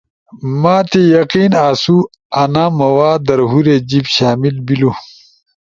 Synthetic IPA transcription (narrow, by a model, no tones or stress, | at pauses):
maːt̪ejɐqiːnaːsu | ɐnamɐwaːd̪ɐɾɦuɾed͡ʑibɕaːmilbilu